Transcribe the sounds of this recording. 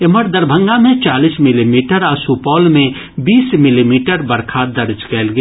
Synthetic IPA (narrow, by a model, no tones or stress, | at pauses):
eməɾd̪əɾbʱə̃ŋɡamẽt͡ʃaːliːsmɪlimiːʈəɾasupɔːlmẽ | biːsmɪlimiːʈəɾbəɾkʰaːd̪ɐɾd͡ʒkɛːlɡe